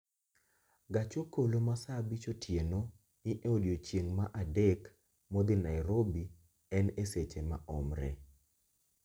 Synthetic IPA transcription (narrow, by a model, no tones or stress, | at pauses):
ɡat͡ʃokolomasabit͡ʃotjeno | niʔeodjot͡ʃjeŋmaʔadek | mɔd̪ɪnajɾobi | ɛneset͡ʃema̰ʔɔmɾɛ̰